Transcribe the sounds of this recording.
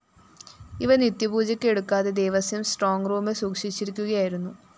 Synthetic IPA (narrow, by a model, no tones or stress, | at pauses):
iʋɐnit̪jɐbuːd͡ʑɐkʲːe̞ɽukːaːðe̞d̪e̞jʋɐsjɐjumsʈroːŋɡruːmesuːkʂit͡ɕːiɾikʲːuɣɐjaːjiɾunːu